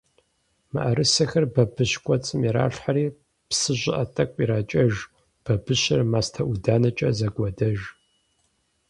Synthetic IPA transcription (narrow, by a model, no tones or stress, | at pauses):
mɨ̰ʔɐɾɨsɐxɐrbɐbɨɕkʷʼɔt͡sʼɨmɛɾa̰ːɬħaɾiː | psɨʑʷɪʔɐtʼɐkʷʼiɾaːt͡ʃʼɐʒ | b̥ɐbɨɕɪrmaːstʰɐʔudaːnɐt͡ʃʼɐzɐɡʷɔdɐʒ